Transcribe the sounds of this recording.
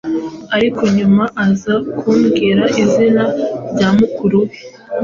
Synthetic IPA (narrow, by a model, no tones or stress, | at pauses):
aɾikʰo̞ɲumaʔazakʰuːmɡiɾaʔizinaɾɟamukʰuɾuwe